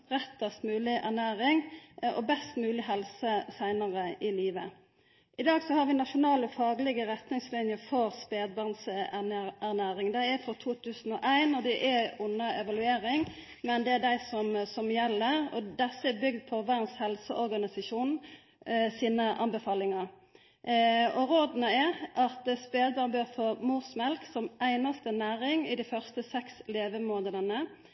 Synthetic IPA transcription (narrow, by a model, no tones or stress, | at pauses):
ɾɛt̪ːəst̪mʉːlɪʔæ̰ʁnæːɾɪŋɔ̰bɛst̪mʉːlɪɦɛlsəsæɪnəʁəɪliːʋə | ʔɪd̪ɑːɡsɔhɑɾʋɪnɑʃʊnɑːləfɑːɡlɪɡəɾɛt̪nɪŋslɪnjəɾfɔɾspeːd̪̚bɑʁns | æʁnæːɾɪŋd̪æɪæɾfɾɔt̪ʰuːt̪ʰʉːsn̩ɔʔæɪnɔd̪ɛʔɛʊnːəʔɛʋɑlʉeːɾɪŋ | mɛnd̪ɛæd̪æɪsɔmsɔmjɛlːəɾɔ̰d̪ɛsəɛbʏɡ̚d̪̚pʰɔʋæɾnshɛlsəʔɔɾɡɑnɪsɑʃuːn | siːnəʔɑ̰nbɛfɑːlɪŋɑ | ɔɾoːd̪nəɛʔɑt̪speːd̪̚bɑːʁnbøːʁfoːmuːsmɛlksɔmʔæɪnɑst̪ənæːɾɪŋɪd̪æɪfœʁst̪əsɛksleːʋəmoːnəd̪ɑnə